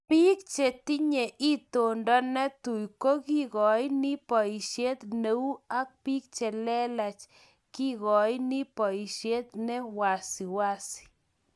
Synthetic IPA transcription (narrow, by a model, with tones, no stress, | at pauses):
pi˦k̚t͡ʃe˨t̪i˦ɲe˨ʔi˦t̪o˨ndɔ˦nɛ˦t̪u˨jko˦ki˦ɣɔ˨jni˦pɔ˨i˨ʃje˦t̪ne˨˦u˦a˦k̚pi˦k̚t͡ʃɛ˨lɛ˦la˨t͡ʃ | ki˦ɣɔ˨jni˦pɔ˨i˨ʃe˦t̪̚nɛ˦wa˨si˨wa˦si̥˨